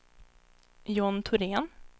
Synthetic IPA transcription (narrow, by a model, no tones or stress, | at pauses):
jɔnt̪ʰʊɾeːn